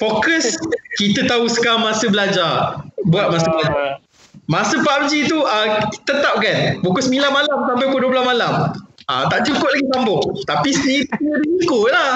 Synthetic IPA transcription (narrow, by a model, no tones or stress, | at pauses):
fokəskit̪ət̪ausə̥kamãsəbəlad͡ʒabuat̪̚masəbəlad͡ʒa | mãsəpaap̚d͡ʒit̪uət̪ət̪ap̚kanbukʊlsmilanmalamsambajpəduəblamalama̰t̪aʔ̚t͡ʃukʊʔlaɡisambʊht̪apisniədəsikʊla